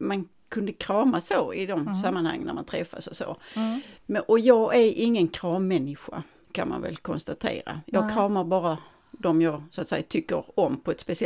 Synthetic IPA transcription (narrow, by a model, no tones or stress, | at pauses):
man | kʰɵnd̪əkʰɾɑːmasoːɪd̪ɔmsamːanha̰ŋːənːæ̰ɾma̰nt̪ʰɾɛfːa̰sɔso̰ː | mʔɔjɑːɡæɾɪŋːənkʰɾɑːmːɛnːɪɧa̰ | kʰanma̰nvɛ̰lkʰɔnst̪at̪ʰḛːɾa̰jɑːɡkʰɾɑːmaɾbɑːɾa | d̪ɔmjɑːɡsʊat̪sɛjːat̪ʰʏkːəɾɔmpʰɔɛt̪spɛsɪ